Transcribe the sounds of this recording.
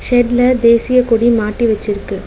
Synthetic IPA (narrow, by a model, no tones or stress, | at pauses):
ʃɛɖlɐd̪eːsɪjɐkɔɽimaːʈːiʋɐt͡ʃːɪɾɯkːɯ